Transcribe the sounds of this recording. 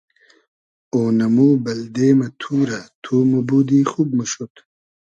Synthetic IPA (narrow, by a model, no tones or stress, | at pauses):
oːnɐmuːbɐld̪eːmɐt̪ʰuːɾɐt̪ʰuːmubud̪iːxub̚məɕut̪